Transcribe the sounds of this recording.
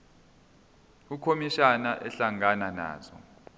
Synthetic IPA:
ukʰomiʃanaʔɛɬaŋanana̰ːzɔ̰

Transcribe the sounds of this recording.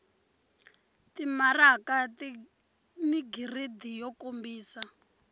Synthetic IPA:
timarakat | niɡiridijɔkombiːsa

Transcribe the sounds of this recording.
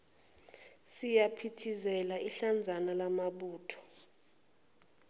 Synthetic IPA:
sijapʰitʰizɛlaiɬand͡zʱanalamaɓuːtʰɔ̥

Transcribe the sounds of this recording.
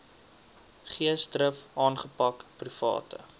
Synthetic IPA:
χiəstrəfɑːnχəpɐkprifɑ̰ːtə̰

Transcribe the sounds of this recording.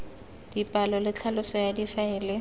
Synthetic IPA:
d̥ipʼalɔlɪt͡ɬʰalʊsɔjadifaɪːlɪ

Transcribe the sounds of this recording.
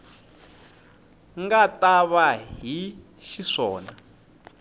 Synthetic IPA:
ŋɡataβaɦi | ʃiʂɔ̰ːna

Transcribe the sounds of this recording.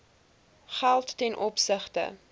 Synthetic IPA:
χælˠtːɛnʔɔpsəχtə̰

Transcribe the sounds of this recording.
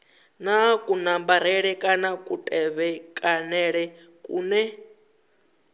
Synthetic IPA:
nakʼunambaɾ̤ɛɺɛkʼanakʼutʼɛβɛkʼanɛɺɛ | kʼuːnɛ

